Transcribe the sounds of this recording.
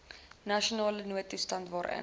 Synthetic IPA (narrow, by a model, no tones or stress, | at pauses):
nɐʃionɑːlənuətustɐntvɑːɾʔɛ̰n